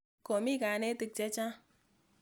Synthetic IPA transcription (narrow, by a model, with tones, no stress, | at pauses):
ko˨mi˦ka˨˦ne˦ti˧k̚t͡ʃe˦t͡ʃã˦